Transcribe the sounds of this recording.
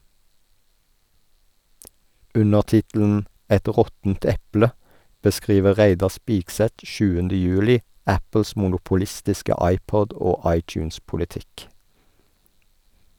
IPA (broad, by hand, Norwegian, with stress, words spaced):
ˈʉnəʁ ˈtɪtl̩n̩ ˈɛt ˈʁɔtn̩t ˈɛplə bəˈskʁiːʋə ˈʁæɪdɑ ˈspiːɡˌsɛt ˈʃʉːəndə ˈjʉːlɪ ˈæpl̩s mʊnʊpʊˈlɪstɪskə ˈɑɪˌpɔd ˈoː ˈɑɪˌt͡ʃʉːnspʊlɪˌtɪk